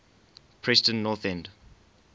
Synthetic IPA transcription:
pʰɹɛstə̃nːɔθɛ̃nd

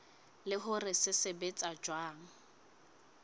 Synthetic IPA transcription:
lɪɦʊrɪsɪsɪbet͡sʼad͡ʒwaːŋ̩

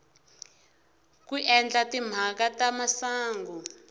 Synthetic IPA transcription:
kuʔɛnd͡ɮatim̤akatamasaːŋɡu

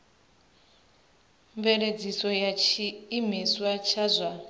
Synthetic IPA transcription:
mbɛled͡zisɔjat͡ʃʰiːmiswat͡ʃʰazʷa

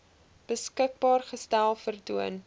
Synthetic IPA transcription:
b̥əskək̚bɑːrχəstælˠfərduən

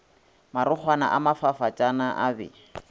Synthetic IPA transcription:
maɾʊk͡xʰwana̰ʔamafafat͡ʃʼanaʔabɛ̰

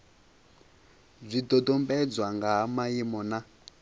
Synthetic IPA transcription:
b͡ʐʷidɔdɔmbɛd͡zwaŋɡamajimɔna

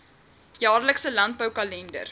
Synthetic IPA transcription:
jɑːrləksəlɐnt̚bəwkɐlɛndə̰r

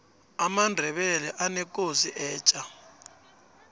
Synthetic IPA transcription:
amandʱɛɓɛlɛʔanɛk̬ʼosiʔɛːt͡ʃʼa

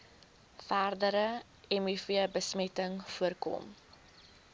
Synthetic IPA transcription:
færdəɾə | ɛmyfiəbəsmɛtəŋfuərkɔ̰m

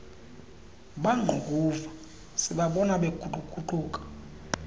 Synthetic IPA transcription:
ɓaŋ͡ǃʱuɡʱuva | siɓaɓɔnaɓekuǃʱʼukʰʼuǃuːkʼḁ

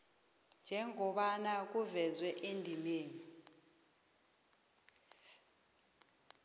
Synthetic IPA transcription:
nd͡ʒʱɛŋʱɔɓanak̬uvɛzwɛʔendʱimeːni

